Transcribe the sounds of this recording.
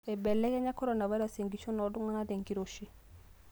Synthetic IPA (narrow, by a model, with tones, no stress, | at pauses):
ɛ˨bɛ˨lːɛ˦kɛ˦ɲa˦kɔ˦ɾo˨na˨va˦jɾa˦se˨ŋɡi˨t͡ʃo˦nɔ˨du˦ŋa˦na˦de˨ŋɡi˦ɾo˨ʃi˦